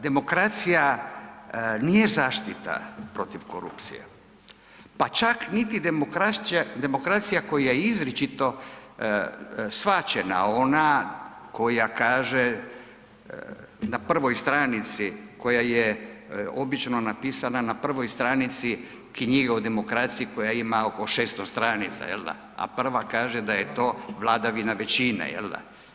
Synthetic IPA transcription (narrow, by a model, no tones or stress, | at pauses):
d̪e̞mo̞kɾat̪sija | nijezaːʃt̪it̪a̰pɾo̞t̪iʋko̞̰ɾṵpt̪sḭjḛ | pat͡ʃaknit̪id̪emokɾad̪e̞mo̞kɾat̪sijako̞jajeizɾit͡ʃit̪o̞ | sʋat͡ʃena̰o̞nako̞jakaːʒe | napr̩ʋo̞jst̪ɾanit̪siko̞jaje | o̞bit͡ʃno̞napiːsananapr̩ʋo̞jst̪ɾanit̪si | kɲiɡaud̪e̞mo̞kɾat̪sijiko̞jaimaoko̞ʃeːst̪ost̪ɾanit̪sa̰jḛld̪a̰ | a̰pr̩ʋakaːʒed̪ajet̪o̞ːʋlˠaːd̪aʋinaʋet͡ɕinḛjḛld̪a̰